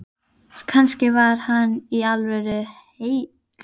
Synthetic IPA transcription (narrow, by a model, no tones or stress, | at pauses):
kʰanscɪvaɾ̥hanːialvœɾʏhej